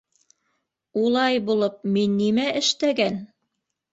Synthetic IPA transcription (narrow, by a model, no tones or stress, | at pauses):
ulˠɑjbulˠɤp̚minːimæʔɘ̆ʃt̪æɡæn